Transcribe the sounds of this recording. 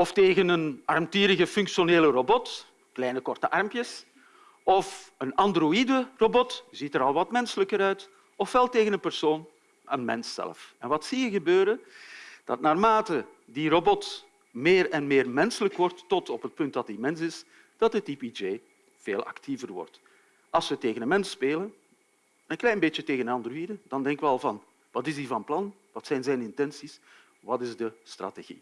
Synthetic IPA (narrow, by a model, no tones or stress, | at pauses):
ɔfteːɣənənɑrmtiːɾəɣəfʏŋkʃjoneːlərobɔt | klɛjnəkɔrtəʔɑrmpjəs | ɔfənɑndroidərobɔtzitəɾɑlˠʋɑtmɛnsələkəɾœɥt | ɔfʋɛlˠteːɣənənpərsoːn | ə̰nmɛ̰nsːɛ̰lfɛnʋɑtsijəɣəbøːɾəd̥ɑ̰t̚naːrmaːtə | dirobɔt | meːrɛnmeːrmɛnsələkʋɔrtːɔtɔpɦət̚pɵntdɑtimɛnsɪs | d̥ɑt̚dətipid͡ʒeː | v̥eːlˠɑ̰ktʰivərʋɔ̰rt | ɑlˠsʋəteːɣənənmɛnspeːlən | ənklɛjnbeːtjəteːɣənəɑndərʋidəd̥ɑndɛŋkəʋəɑlˠvɑn | ʋɑtɪzdivɑnplɑn | ʋɑtsɛjnzɛjnɪntɛnsis | ʋɑtɪzdəstra̰teɣḭ